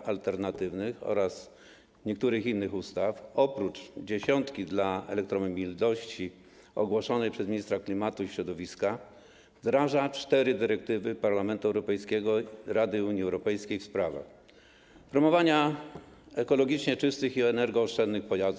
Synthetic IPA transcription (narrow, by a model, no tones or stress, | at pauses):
alt̪ɛɾnat̪ɘvnɘxɔ̰ɾas | ɲɛk̚t̪uɾɘxinːɘxust̪afɔpɾut͡ʂd͡ʑeɕɔnt̪kʲid̪laɛ̰lɛk̚t̪ɾɔmmʲilnɔɕt͡ɕi | ɔ̰ɡwɔʂɔnɛjpʂɛzmʲiɲist̪ɾaklʲimat̪uiɕɾɔd̪ɔvʲiska | vd̪ɾaʐat͡ʂt̪ɛɾɘd̪ɘɾɛk̚t̪ɘvɘpaɾlamɛnt̪uɛwɾɔpɛjskʲɛɡɔɾad̪ɘuɲiɛwɾɔpɛjskʲejfspɾava̰x | pɾɔmɔvaɲa | ɛkɔlɔɡʲit͡ʂɲɛt͡ʂɘst̪ɘxiɛnɛɾɡɔːʂt͡ʂɛnːɘxpɔjazd̪